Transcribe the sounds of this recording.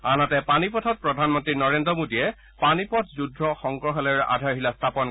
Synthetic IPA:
anatɛpanipɔtʰɔt̚pɹɔdʱanmɔntɹinɔɹendɹɔmodijɛ | panipɔtʰzudʱːɔxɔŋkɹɔxɛlɛɹɛʔa̰dʱaɹɦilastʰapɔn

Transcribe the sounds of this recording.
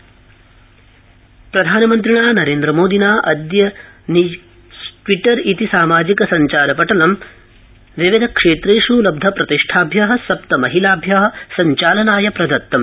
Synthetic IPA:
pɾɐd̪ʱaːnɐmɐnt̪̬ɾiɳaːnɐɾeːnd̪ɾɐmoːd̪ʱinaːʔɐd̪jɐni | ʈʋiʈɐɾit̪isaːmaːd͡ʒikɐsɐɲt͡ʃaːɾɐpɐʈɐlɐm | ʋiʋɐd̪ʱɐkʂeːt̪ɾeːʂulɐb̚d̪ʱɐpɾɐt̪iʂʈʰaːbʱjaːɦɐ̆sɐpt̪ɐmɐɦilaːbʱjaːɦɐ̆sɐɲt͡ʃaːlɐnaːjɐpɾɐd̪ɐt̪ːɐm

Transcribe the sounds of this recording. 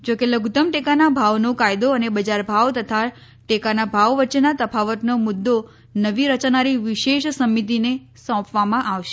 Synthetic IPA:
d͡ʒokeləɡut̪əmʈekanabʱaʋnokajd̪oənebəd͡ʒaɾbʱaʋt̪ət̪ʰa | ʈekanabʱaʋʋətːʃenat̪əpʰaʋət̪nomʊd̪ːo | nəʋiɾət͡ʃnaɾiʋɪʃeʃsəmːit̪̬ine | sɔ̃pʰʋamãʔaʋʃe

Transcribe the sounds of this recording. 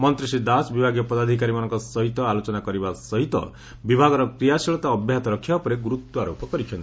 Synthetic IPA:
mɔnt̪ɾisid̪asbibʱaɡjɔpɔd̪ad̪ʱikaɾimanɔŋkɔsɔɦit̪ɔalot͡ʃɔnakɔɾibasɔɦit̪ɔ̰ | bibʱaɡɔɾɔkɾijasiɭɔt̪aːbʱjaɦat̪ɔɾɔkʰːibapɔɾeɡuɾut̪ːɔaɾopʰɔkɔɾikʰjɔ̃nt̪i

